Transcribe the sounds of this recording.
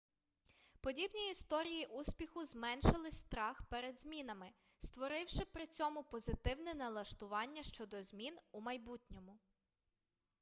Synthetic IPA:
pɔdʲibnʲiist̪ɔɾʲijiʔusʲpʲixʊzmɛnʃɪlˠɪsʲt̪ɾɑxpɛɾed̪zʲmʲinɐmɪ | st̪ʋɔɾɪwʃɪpɾɪt͡sʲɔmʊpɔzɪt̪ɪwnɛnɐlˠɐʃt̪ʊʋɑnʲːɐʃt͡ʃɔd̪ɔzʲmʲinumɐjbutʲnʲɔmʊ

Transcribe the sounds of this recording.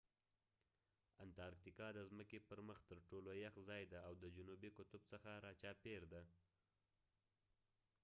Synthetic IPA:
ant̪ɑɾkt̪ikɑd̪əzməkepəɾməxt̪əɾʈolojaxzɑjd̪aawd̪əd͡ʒʊnubikʊt̪ʊbsəxaɾɑt͡ʃɑpeɾd̪a

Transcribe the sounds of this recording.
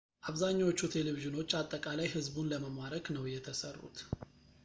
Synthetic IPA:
ʔaβzaɲːawo̞t͡ʃːut̪ʰe̞leviʒɨno̞t͡ʃːat̪ʼːəkʼalajhɨzbunləməmaɾəknəwjɛt̪ʰəsərːṵt̪

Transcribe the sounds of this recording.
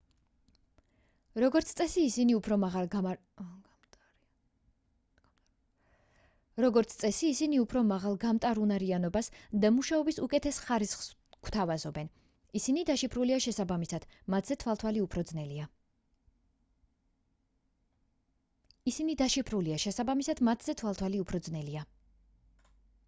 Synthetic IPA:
ɾɔɡɔɾt̪sʰt̪sʼɛsiːsiniupʰɾɔmaalˠ | ɾɔɡɔɾt̪sʰt̪sʼɛsiːsiniupʰɾɔmaʁalˠɡamt̪ʼaɾunaɾianɔbasd̪amuʃaɔbisukʼɛt̪ʰɛsχaɾisχs | kʰw̥t̪ʰavazɔbɛn | isinid̪aʃipʰɾuliaʃɛsabamisad̪̥mat̪ʰz̥ɛt̪ʰwalˠt̪ʰwaliupʰɾɔd̪znɛlia | isinid̪aʃipʰɾuliaʃɛsabamisad̪̥mat̪ʰz̥ɛt̪ʰwalˠt̪ʰwaliupʰɾɔd̪znɛlia

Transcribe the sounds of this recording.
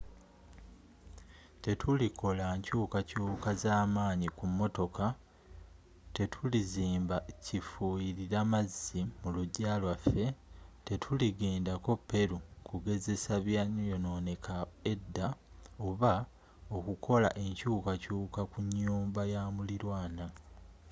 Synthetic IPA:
te̞tʰulikʰo̞laɲcuːkacuːkazaːmaːɲikumːo̞to̞ka | te̞tʰuliziːmbacifuiɾiɾamazːimuluɟaːlwafːe̞te̞tʰuliɡeːndako̞pːe̞ɾukuɡe̞ze̞saβjaɲojo̞no̞ne̞kʰae̞dːa | o̞βa | o̞kukʰo̞la̰ʔe̞ɲcuːkacuːkakuɲːuːmbajamuliɾwaːna

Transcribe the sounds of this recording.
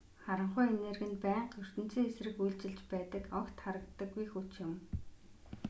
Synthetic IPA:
χaɾə̆ɴχʊjenerɣɘ̆npæːqɵr̥t̪ɘ̆n̥t͡siːŋesrɘ̆xujɮt͡ɕɪ̆ɮt͡ɕpæːt̪ə̆kɔkt̪χaɾə̆kt̪ːə̆ɡːujxut͡ɕjɪ̆m

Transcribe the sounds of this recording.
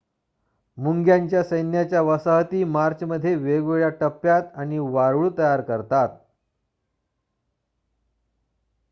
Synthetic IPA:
muŋɡjaɲt͡ɕjasəjnjat͡ɕjaʋəsəɦət̪iːmaɾt͡ɕəməd̪ʱːjeʋeɡʋeɭjaʈəpːjat̪aɽ̃iʋaɾɭuːt̪əjaɾkəɾt̪at̪̚

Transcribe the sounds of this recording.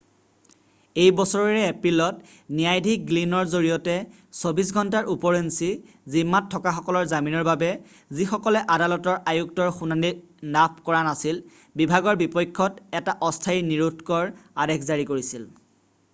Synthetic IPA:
ejbɔsɔɹɔɹɛepɹilɔt | nijajdʱik̚ɡlinɔɹzoɹijɔtɛ | sobis̬ɡʱɔntaɹʔupɔɹensi | zimːatʰːɔkaxɔkɔlɔɹzaminɔɹbabɛ | zixɔkɔlɛʔadalɔtɔɹʔajuk̚tɔɹxunani | nap̚ʰkɔɹanasil | bibʱaɡɔɹbipɔjkʰːɔtɛtaʔɔstʰajniɹutkɔɹadekʰzaɹikoɹisil

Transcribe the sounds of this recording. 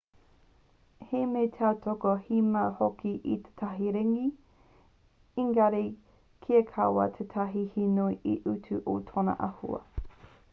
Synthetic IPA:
hemetʰatʰokohimɐhokʰiʔit̪ʰe̥tʰɐɦiɾeŋi | iŋɡɐɾe | kʰiekʰɐwɐ̰tʰetʰɐɦihinuiʔiʔutʰʉʔotʰonɐ̰ʔɐ̰hṵɐ̰

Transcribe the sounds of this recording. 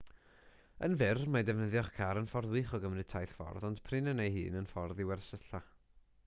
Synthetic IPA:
ə̰nvɪrmadɛvnəðjɔχkʰaɾənfɔrðwɪχɔɡəmrɨtʰajθfɔ̰rðɔnd̥pʰrɨnənejhɨ̰ːnənfɔrðɪwɛrsəɬa

